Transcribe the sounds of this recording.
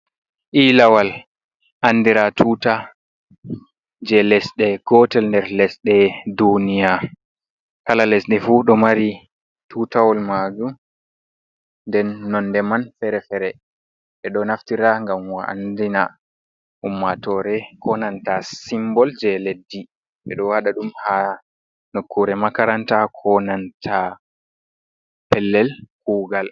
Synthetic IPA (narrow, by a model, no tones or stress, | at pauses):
ʔilawal | ʔanːdiɾatʰuːta | d͡ʒɛlɛsɗɛɡ̥ɔtɛlndɛɾlɛsɗɛdunija | kalalɛsɗɛfuɗɔmaɾi | tʰutawɔlmad͡ʒum | ndɛnːɔndɛmanfɛɾɛfɛɾɛ | ɓɛɗɔnaftiɾaŋɡamwaʔa̰ndina | umːatɔɾɛkʰɔnantasimbɔld͡ʒɛledːi | ɓɛ̰ɗɔwaɗaɗumha | nokːuɾɛmakaɾantakʰɔnantʰa | pɛlːɛlkuːɡal